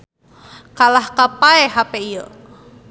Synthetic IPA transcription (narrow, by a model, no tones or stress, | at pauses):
kalahkapaeɦapeijə